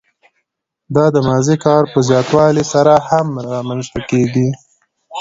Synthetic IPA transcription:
d̪ɑd̪əmɑzikɑɾpəzjɑt̪wɑlisaɾahamɾɑmanzt̪akeɡi

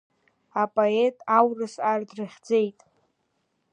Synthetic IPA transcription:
apʼoetʼawrɨsardrɨχʲd͡ze̞jtʼ

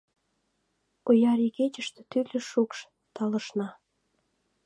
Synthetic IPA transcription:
ojɑɾiket͡ɕəʃt̪ĕt̪ylʲĕʃukʃ | t̪ɑlə̆ʃnɑ

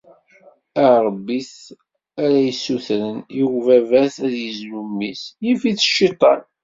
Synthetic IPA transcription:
æɾˤbːiθ | æɾæjəsːuθɾənjuvævæθæðjəzlumːisjifiθə̥ʃːit̪ˤɑn

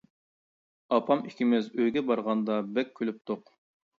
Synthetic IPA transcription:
ɑpʰɑmikʲʰimɪzøjɡʲɛbɑɾʁɑnd̪ɑbɛk̚ʲʰːølyp̚t̪ʰoq

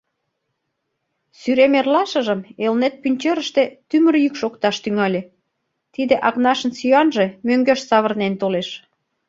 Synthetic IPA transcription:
syɾemerlɑʃə̆ʒəmelnet̪̚pynʲt͡ɕeɾə̆ʃt̪ĕt̪ymə̆rjykʃokt̪ɑʃt̪yŋɑlʲe | t̪id̪eʔɑɣnɑʃə̆nsiɑnʒemøŋɡøʃsɑβərnent̪oleʃ

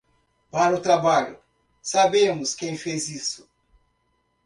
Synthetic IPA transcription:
paɾʊt̪ɾabaʎʊ | sabẽmʊskẽj̃fezisʊ̥

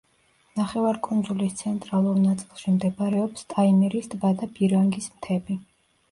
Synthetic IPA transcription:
naχɛvaɾkʼund̪zulist̪sʰɛnt̪ʼɾalˠuɾnat̪sʼilˠʃimd̪ɛbaɾɛɔpst̪ʼaimɛɾisd̪bad̪abiɾaŋɡismt̪ʰɛbi

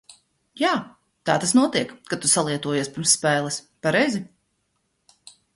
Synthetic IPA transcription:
jaː | t̪aːt̪asnuɔt̪iɛkkːat̪usalˠiɛt̪uɔjaspiɾmsːpɛːlˠɛs | paɾɛjzi

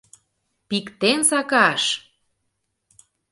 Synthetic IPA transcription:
pikt̪ensɑkɑʃ

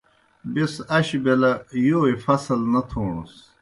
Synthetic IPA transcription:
bisɐɕbelɐjoːifɐsɐlnɐt̪ʰoːɳṵs

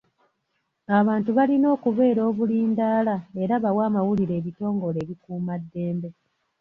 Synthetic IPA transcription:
aβaːntuβalino̞ːkuβe̞ːɾo̞ːβuliːndaːlae̞ɾaβawaːmawuliɾe̞ːβito̞ːŋɡo̞le̞ːβikuːmadːe̞ːmbe̞

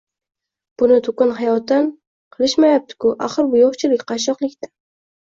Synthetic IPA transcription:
b̥ʊnɪt̪ʰʊkʊnhɑjɒt̪ːan | qʰəlˠɨʃmajap̚t̪ʰɪ̥kʊʔaχəɾbʊjoχt͡ʃʰɪlɪkʲqʰɑʃɒqlˠɪkʲt̪ḁ

